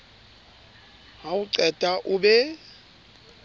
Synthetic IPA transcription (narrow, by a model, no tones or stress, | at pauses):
ɦawuǀɛd̥ʼʱaʔuɓɛ